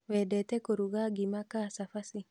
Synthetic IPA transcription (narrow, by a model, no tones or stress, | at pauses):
wɛdɛtɛkoɾuɡaɡimakasafasi